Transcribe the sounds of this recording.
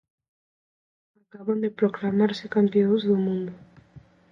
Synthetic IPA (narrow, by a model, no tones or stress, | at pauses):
akaβand̪epɾoklamaɾsekampeozðumũnd̪u